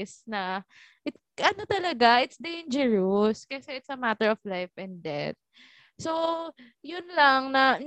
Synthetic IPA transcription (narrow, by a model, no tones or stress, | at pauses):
snɐ | ʔɪt̪̚ʔɐnot̪ɐlɐɡaʔɪt̪sd̪ejnd͡ʒɛɹoskɐsɛʔɪt̪sɐmat̪ɛɹɔflajfʔɛ̃nd̪̚d̪ɛ̰t̪̚ | so | jʊnlɐŋnɐ